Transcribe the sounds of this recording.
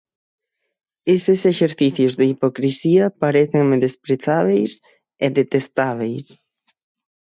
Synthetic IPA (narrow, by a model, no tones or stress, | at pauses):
esɪseʃeɾθiθjʊzðeipokɾisiɐpaɾeθeŋmeðespɾeθaβ̞ejs | eðet̪est̪aβ̞ejs